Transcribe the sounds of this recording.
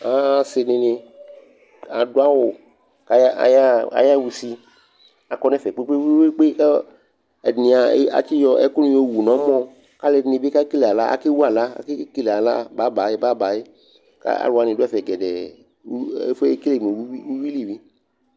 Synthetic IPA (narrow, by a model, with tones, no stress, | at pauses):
a˨˦sɪ˧nɪ̃˧nẽ˧ | a˨do˦a˦wʊ˨ | ka˦a̰˨ja˦a̰˨ja˦˨wu˧si˧ | a˨kɔ˧nɛ˦˨fɛ˨k͡pe˦k͡pe˦e˦k͡pe˦k͡pe˦k | ɛ˨ni˨a˨˦a̰˨t͡ʃi˦jɔ˧ɛ̰˦kʊ˦nũ˦o˦˨wu˨nɔ̃˨˦mɔ̃˧ | ka˦le˨nɪ̃˨be˦ka˦ke˦le˨a˨la˦a̰˦ke˦wu˦a˨la˦a̰˦ke˦ke˦le˨a˨la̰˦ba˦ba˨˦ba˦ba˨je˦ | ka̰˦a̰˨lo˨a˨nɪ̃˨do˦ɛ˦fɛ˨ɡɛ˨dɛ˨˦ | fke˦le˦˨me˨wi˦i˦u˦wi˦li˨wi˦